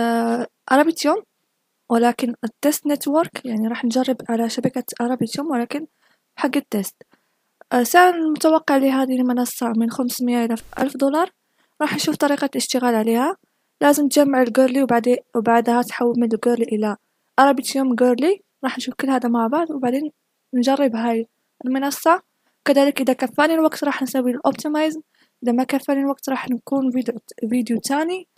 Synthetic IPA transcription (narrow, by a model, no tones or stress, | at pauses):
ʔɑɾˤɑbit̪jum | wlækənət̪ːest̪net̪wəɾˤkjaʕniɾˤɑːħnʒɑrˤːəbʕalaʃabakaʔɑɾˤɑbjt̪jumwlækən | ħaɡːət̪ːest̪ | saʕlanllmʊt̪awɑqːɑʕliɦæd̪ilmɑnɑsˤːɑmənxamsməjːaʔəlaʔæ̰lfd̪ulɑɾˤ | ɾˤɑːħnʃuft̪ˤɑɾiqɑləʃt̪əɣalʕlihæ | læzəmt̪ʒæmːaʕəlɡoɾliwbaʕd̪wbaʕd̪hæt̪ħawːəlmənəlɡoɾliʔəlːa | ʔɑɾˤɑbit̪jumɡoɾli | ɾˤɑħnʃufkəlːhæd̪amaʕbaʕd̪ˤwbaʕd̪en | nʒɑrˤːəbɦæj | əlmənɑsˤːɑ | kəd̪æləkʔəd̪ækæfːænilwɑkt̪ɾˤɑħnsæwiləlʔop̚t̪imizm | ʔəd̪amækæfːænilwak̚t̪ɾˤɑħnkunvid̪jut̪æni